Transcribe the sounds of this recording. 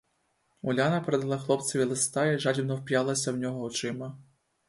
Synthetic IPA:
ulʲanɐpeɾɛd̪ɐlˠɑxlˠɔp̪sɐʋʲilˠest̪ɑiʒɑd͡ʑʲiwnɔwpʲjalˠɐsʲɐwnʲɔɦɔɔt͡ʂɪmɐ

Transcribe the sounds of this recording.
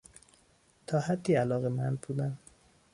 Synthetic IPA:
t̪ʰɒːhæd̪ːiːælɒːɣe̞mænd̪̚buːd̪æn

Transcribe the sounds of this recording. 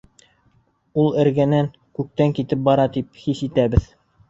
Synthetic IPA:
ulˠɘ̆ɾɡænæŋ | kʉk̚t̪æŋkit̪ɘp̚bɑɾɑt̪ip̚hisit̪æbɘð

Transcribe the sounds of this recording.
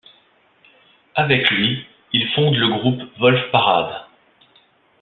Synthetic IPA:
avɛklɥi | ilfɔ̃d̪ləɡʁupvɔlfpaʁa̰d̪

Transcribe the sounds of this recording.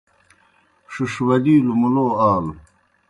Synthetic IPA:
ʂuʂwɐd̪iːlumuloːaːl

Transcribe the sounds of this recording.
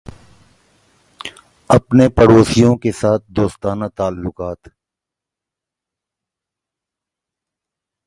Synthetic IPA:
ɐpnepəɽoːsijõkesaːt̪̚ʰd̪oːst̪aːnat̪aːlːʊqaːt̪

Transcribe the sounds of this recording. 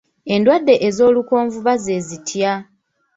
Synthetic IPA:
e̞ndwadːe̞ʔezo̞ːluko̞ːɱvuβaze̞zitʰja

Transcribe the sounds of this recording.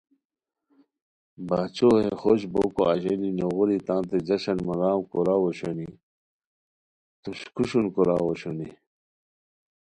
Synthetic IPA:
baːt͡ɕoɦexoɕboːkoaʑeninoɣuɾit̪ãːnt̪ed͡ʑɐɕɐnmɐɾaːmkoɾaːwoɕoni | t̪uɕkʰuɕunkoɾaːwoɕoni

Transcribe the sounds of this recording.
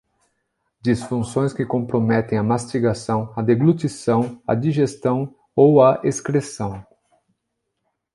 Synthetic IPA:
d͡ʒisfũsõj̃skɪkõpɾomɛt̪ẽj̃ɐmast͡ʃiɡasɐ̃w̃ɐd̪eɡlut͡ʃ̪isɐ̃w̃ɐ̰d͡ʒiʒest̪ɐ̃w̃ | owɐʔeskɾesɐ̃w̃

